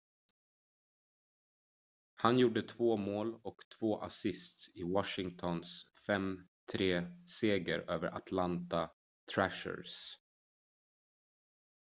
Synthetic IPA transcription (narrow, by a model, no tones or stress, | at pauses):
hanjuːɖət̪ʰvoːmoːlɔkt̪ʰv̥oːʔa̰sɪst̪ɪwɑʂɪŋt̪ʰɔnsfɛm | t̪ʰɾeːseːɡəɾøːvə̰ɾʔa̰t̪ʰlant̪a | t̪ʰɾæʂə̰ɾs